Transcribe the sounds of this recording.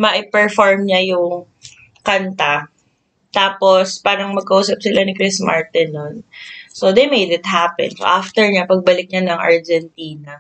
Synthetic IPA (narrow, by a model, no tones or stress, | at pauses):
mɐʔɪpɛɹfɔɹmɲɐjʊŋ | kɐnt̪a | t̪aːpospaːɾɐŋmɐɡ̚kɐʔuːsɐp̚sɪlanɪkɹɪsma̰ɹt̪ɪnonsod̪ejmejd̪ɪt̪̚hapɛ̰nso̰ʔaft̪ɛɹɲapɐɡ̚bɐlɪk̚ɲanɐŋʔɐ̰ɹd͡ʒɛnt̪iːnɐ